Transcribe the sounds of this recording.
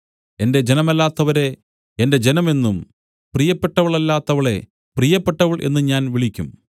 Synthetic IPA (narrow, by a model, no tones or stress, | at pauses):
e̞nde̞d͡ʑe̞nɐmɐlːaːt̪ːɐʋɐɾe̞ | ende̞d͡ʑe̞nɐme̞nːum | prijɐpːe̞ʈːɐʋɐɭɐlːaːt̪ːɐʋɐɭe̞̰ | prijɐpːe̞ʈːɐʋɐɭʔe̞̰nːɨɲaːnʋiɭikʲːum